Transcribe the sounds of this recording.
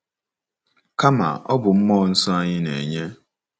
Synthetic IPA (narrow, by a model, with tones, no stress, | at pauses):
ka˦ma̰˨ɔ˦bʊ˨m̩˦mɔ˦˨n̩˦sɔ˦a˦ɲɪ˦nḛ˨ɲe˦